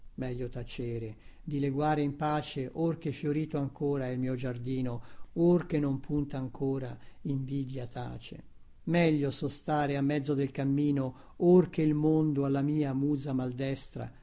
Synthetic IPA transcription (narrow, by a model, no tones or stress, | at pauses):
mɛʎːot̪at͡ʃeːɾed̪ileɡwaːɾeimpaːt͡ʃeʔork̟efːjoɾiːt̪oaŋkʰoːɾailmiːod͡ʒard̪iːnoork̟enːompʰunt̪aːŋkʰoːɾaiɱviːd̪jat̪a̰ːt͡ʃḛ | mɛʎːosɔst̪aːɾeamːɛd̪zːod̪elkamːiːno | ork̟eilmond̪oalːamiːamuːzamald̪ɛst̪ɾa̰